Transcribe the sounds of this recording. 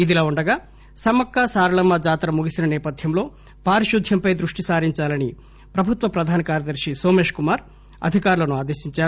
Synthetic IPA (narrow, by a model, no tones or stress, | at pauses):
id̪ilaːuɳɖɐɡaː | sɐmɐkːasaːɾɐlɐmːɐd͡ʒaːt̪ɾɐmuɡisinɐnɛːpɐd̪ʱjɐmlo̞ː | paːɾiʃud̪ʱjɐmpɐjd̪ɾuʂʈisaːɾiɲt͡ʃaːlɐni | pɾɐbʱut̪ʋɐpɾɐd̪ʱaːnɐkaːɾjɐd̪ɐɾʂisoːme̞ːʂkumaːɾ | ɐ̰d̪ʱikaːɾulɐnuaːd̪e̞ːʃiɲt͡ʃaːɾu